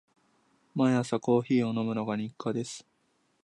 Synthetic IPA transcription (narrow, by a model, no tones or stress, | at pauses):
maasako̞ːçiːo̞no̞mɯ̟no̞ɡaɲ̟ikʰːad̪e̞sɨ̥